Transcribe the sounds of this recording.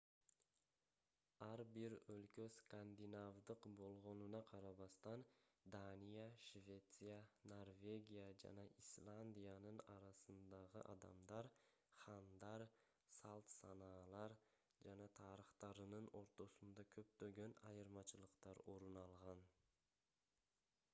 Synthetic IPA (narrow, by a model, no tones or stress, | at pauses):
aɾbɪɾɵlkʲʰøskand̪ɪnavd̪ɨqbolˠʁonɪnaqʰɑɾɑbɑst̪and̪anijaʃvʲe̞t̪sɨjano̞ɾvʲe̞ɡʲijad͡ʒa̰naislˠand̪ijanɪnɑɾasɨnd̪ɑʁɨ̰ʔɑ̰d̪a̰md̪ɑɾ | χɑnd̪ɑɾ | salˠt̪sɑnɑlˠɑɾ | d͡ʒanat̪ʰɑɾɪχt̪ɑɾɨnɨnoɾt̪ʰosʊnd̪akʲʰɵpt̪øɡʲenɑjɯɾmɑt͡ʃʰɪlˠɨqt̪ɑɾoɾʊnɑlˠʁɑn